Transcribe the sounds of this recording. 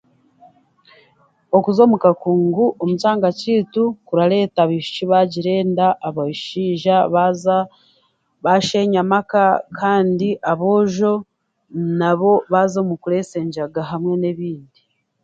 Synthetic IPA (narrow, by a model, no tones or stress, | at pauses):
o̞kuzo̞ːmukakuːŋɡuʔomut͡ʃaːŋɡaciːtukuɾale̞ːtaβiʃu̥ciβaɟiɾe̞ːndaʔːβaiʃiːʒaβ | βaʃe̞ɲamakakʰaːndiʔaβo̞ːʒo̞ | naβo̞βaːzomukuɾe̞ːse̞ːɲʒaɡaɦamwe̞ne̞βiːndi